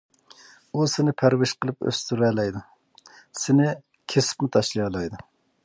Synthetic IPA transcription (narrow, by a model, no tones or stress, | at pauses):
usɪnɪpʰæɾwɪʃqəlˠɨpø̰st̪yɾɛːlɛjd̪u | sɪnɪ | kʲʰesɪ̥pmɪt̪ʰɑʃlˠijɑlˠɑjd̪u